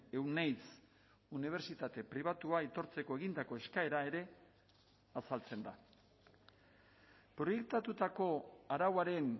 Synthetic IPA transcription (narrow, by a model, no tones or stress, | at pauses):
e̞wnajt͡s | uniβ̞e̞ɾsit̪at̪e̞pɾiβat̪uait̪o̞ɾt͡se̞ko̞e̞ɣind̪ako̞e̞skae̞ɾae̞ɾe̞ | asalt͡se̞nd̪a | pɾo̞je̞k̚t̪at̪ut̪ako̞aɾawaɾe̞n